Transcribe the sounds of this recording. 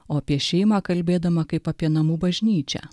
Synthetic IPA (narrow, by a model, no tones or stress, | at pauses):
oːɐpʲiɛʃʲɛɪmɑːkɐlʲbʲeːd̪ɐmɐkɐɪpɐpʲiɛnɐmuːbɐʒʲnʲiːt͡ʃʲɛ̰